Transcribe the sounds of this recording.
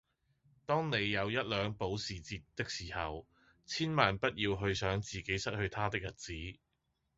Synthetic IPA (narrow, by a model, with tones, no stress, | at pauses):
t̪ɔː˥ŋne˨˧jːɐ˨˧wjɐ˥t̚lœː˨˧ŋpo˨˥wsiː˨˩t͡siː˧t̪̚ːɪ˥k̚siː˨˩hɐ˨w | t͡sʰiː˥nmaː˨npɐ˥t̚jiː˧wɦɵ˧ɥsœː˨˥ŋt͡siː˨˩ke˨˥jsɐ˥t̚hɵ˧ɥt̪ʰaː˥t̪ɪ˥k̚jɐ˨˩t̚t͡siː˨˥